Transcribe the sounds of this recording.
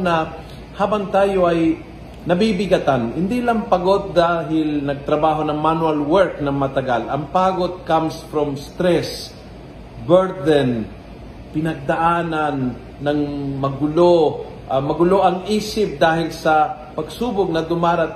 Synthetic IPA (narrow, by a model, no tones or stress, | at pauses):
nɐ | haːbɐŋt̪aːjoʔɐj | nɐbibɪɡɐt̪anhɪnd̪ilɐŋpɐɡo̞d̪̚ːaːɦɪlnɐɡ̚t̪ɾɐbaːɦo̞nɐŋmanwalwɛɹk̚nɐŋmɐt̪ɐɡalʔɐŋpaːɡod̪̚kamsfɾɔmst̪ɾɛs | bɛɹd̪ɛn | pɪnɐɡ̚d̪ɐʔaːnanː | ɐŋmɐɡʊlo | ʔmɐɡʊloʔɐŋʔiːsɪp̚d̪aːhɪlsɐ | pɐɡsuːbʊɡ̚nɐd̪ʊmaːɾɐt̪̚